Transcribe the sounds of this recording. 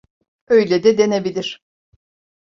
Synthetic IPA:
øjlʲed̪ɛd̪e̞nebilʲiɾ̥

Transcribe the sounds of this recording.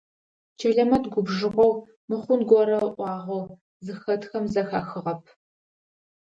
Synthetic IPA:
t͡ʃʰɐɮɐmɐtɡʷʊbʒɨqʷɔw | mɨχʷʊnɡʷɔɾɐʔʷɑːʁʷow | zɨxɐtxɐmzɐxaːxɨʁɐp̚ʰ

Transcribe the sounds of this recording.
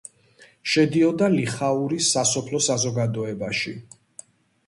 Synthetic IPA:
ʃɛd̪iɔd̪aliχauɾisːasɔpʰlɔsazɔɡad̪ɔɛbaʃi

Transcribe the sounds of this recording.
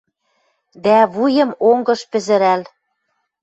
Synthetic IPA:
d̪æβujɤ̆moŋɡɤ̆ʃpɘ̆zɘ̆ɾæl

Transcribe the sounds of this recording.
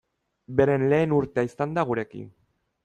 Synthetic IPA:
be̞ɾe̞nle̞ːnuɾt̪eaisand̪aɣ̞uɾe̞kḭn

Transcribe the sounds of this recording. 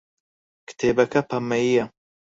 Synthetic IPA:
kɨ̥t̪ʰeːbɐkɐpʰɐmːɐjijɐ

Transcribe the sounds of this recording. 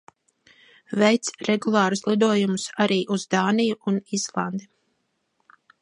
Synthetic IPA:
vɛjt̪sɾɛɡulˠɑːɾuslˠid̪uɔjumusaɾiːʔuzd̪aːnijuunizlˠand̪e

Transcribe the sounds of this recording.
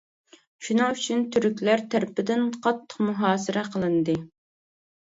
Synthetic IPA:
ʃunɨŋyt͡ʃʰynt̪ʰyɾykʲlæɾt̪ʰæɾpɪd̪ɪnqʰɑt̪ʰːə̥qmuɦɑːsɨɾʔɛqʰəlˠɨnɨd̪ɨ

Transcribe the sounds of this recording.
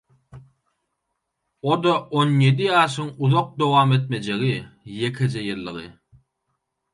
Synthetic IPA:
od̪oʔonje̞d̪iɑːʃ̬ɯŋuðoq̚d̪o̞wɑːme̞t̪̚me̞d͡ʒe̞ɣije̞kʰe̞d͡ʒejɯlːɯ̰ʁɯ

